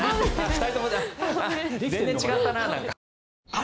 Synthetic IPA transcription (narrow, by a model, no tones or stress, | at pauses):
t̪ait̪omõaz̃zẽt͡ɕiɡat̪ːananãŋkka